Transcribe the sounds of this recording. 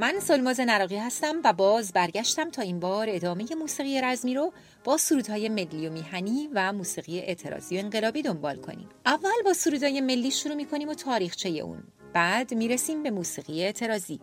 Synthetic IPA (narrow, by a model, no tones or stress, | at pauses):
mænsolmɒːze̞næɾɒːɣiːhæst̪æmvæbɒːzbæɾɟæʃt̪æmt̪ʰɒːimbɒːɾe̞d̪ɒːme̞je̞muːsiːɣije̞ɾæzmiːɾo | b̥ɒːsuɾuːd̪̥hɒːje̞me̞lːijomiːɦæniːvæmuːsiːɣije̞ʔet̪ʰe̞ɾɒ̰ːz̥iːo̞e̞ŋɢe̞lɒːbiːd̪o̞mbɒːlkʰo̞̰nḭːmʔævːælbɒːsuɾuːd̪ɒːje̞me̞lːiːʃuɾuːmiːkʰo̞niːmot̪ʰɒːɾiːxt͡ʃʰe̞je̞̰ʔṵːn | b̥æd̪miːɾesiːmbe̞muːsiːɣiːeeːt̪ʰe̞ɾɒːzḭː